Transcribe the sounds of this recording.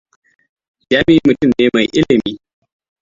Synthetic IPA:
d͡ʒaː˦mɪ˦˨i˦mʊ˨tʊ˦mneː˦ma˨jʔɪ˦lɪ˨miː˦

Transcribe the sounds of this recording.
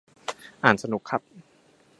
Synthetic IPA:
ʔaː˨˩nsa˧nu˨˩kʰːa˦˥p̚

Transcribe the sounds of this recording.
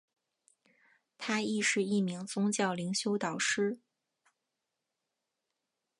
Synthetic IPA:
t̪ʰa˥i˥˧ʂɻ̩˥˧i˥˩mi˧˥ŋt͡sʊ˥ŋt͡ɕjɑ˥˩ʊli˧˥ŋɕjo˥ʊt̪ɑ˨˩ʊʂɻ̩˥

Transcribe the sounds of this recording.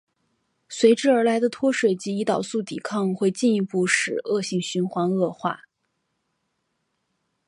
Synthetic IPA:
swe˧˥ɪʈ͡ʂɻ̩˥˩ə˞˧˥la˧˥ɪd̪ə˧t̪ʰwɔ˥ʂwe˨˩ɪt͡ɕi˧˥i˧˥t̪ɑ˨˩ʊsu˥˩t̪ḭ˨˩kʰɑ˥˧ŋxwe˥˧ɪt͡ɕi˥˩ni˧˥pu˥˩ʂɻ̩˨˩ɤ˥˧ɕi˥˩ŋɕy˧˥nxwɑ˧˥ŋɤ˥˧xwa̰˥˩

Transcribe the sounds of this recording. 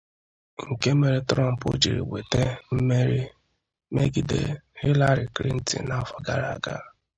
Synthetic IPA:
ŋ̩˨ke˦me˦ɾi˦tɾɔ˦m̩˨po̰˦d͡ʒi˨ɾḭ˨we˨te˦m̩˦me˦ɾi˦ | me˦ɡi˨dḛ˦˨hi˦la˦ɾi˨kɾḭ˦n̩˦tḭ˨na˦fɔ˦ɡa˦ɾa˨a˨ɡa̰˦˨

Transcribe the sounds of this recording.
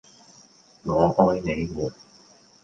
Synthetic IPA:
ŋɔː˨˧ʔɔː˥jne˨˧jmuː˨˩n̚

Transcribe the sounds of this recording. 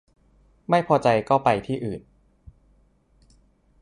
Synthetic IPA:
ma˥˩jpʰɔː˧t͡ɕa˧jkɔː˥˩pa˧jt̪ʰiː˥˩ʔɯː˨˩n

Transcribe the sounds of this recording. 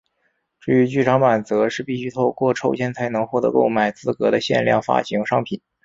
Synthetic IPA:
ʈ͡ʂɻ̩˥˩y˧˥t͡ɕy˥˩ʈ͡ʂʰɑ˧˥ŋma˨˩nt͡sɤ˧˥ʂɻ̩˥˧pi˥˩ɕy˥t̪ʰo˥˧ʊkwɔ˥˩ʈ͡ʂʰo˥ʊt͡ɕʰjɛ˥nt͡sʰa˧˥ɪnɤ˧˥ŋxwɔ˥˩t̪ɤ˧˥ko̰˥˩ʊma˨˩ɪt͡sɹ̩˥kɤ˧˥d̪ə˧ɕjɛ̰˥˧nljɑ̰˥˧ŋfa̰˥ɕi˧˥ŋʂɑ˥ŋpʰi˨˩˦n

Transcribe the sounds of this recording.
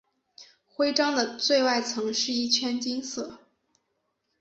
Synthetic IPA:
xwe˥ɪʈ͡ʂɑ˥ŋd̪ə˨t͡swe˥˧ɪwa˥˩ɪt͡sʰɤ˧˥ŋʂɻ̩˥˧i˥˩t͡ɕʰɥɛ˥˧nt͡ɕi˥ŋsɤ˥˩

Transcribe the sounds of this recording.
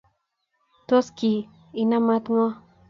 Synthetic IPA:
t̪o˦ski˨ | i˨na˦ma˦t̪ŋɔ˦

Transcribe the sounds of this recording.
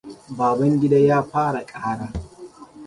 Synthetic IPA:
baː˨bɐ˦ŋɡʲɪ˦daː˦jaː˦ɸaː˦ɽa˨kʼaː˦ɽaː˦

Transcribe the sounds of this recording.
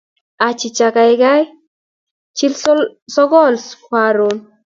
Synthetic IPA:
a˨t͡ʃi˨t͡ʃa˨ka˨jɡa˦j | t͡ʃi˦lssɔ˦ɡɔ˦˨lspaɾo˨n

